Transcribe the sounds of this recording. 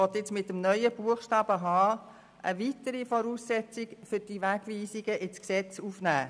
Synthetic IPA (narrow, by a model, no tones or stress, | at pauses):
ɔt̪ɪt͡smɪtːəmnœʏəb̥uəχʃtɑːb̥əɦɑː | ʔə̰ʋitəɾifɔɾuːsːɛt͡sɪkfʏɾd̥iʋæɡ̥ʋiːsiɡəʔɪt͡sksɛt͡suːfnæː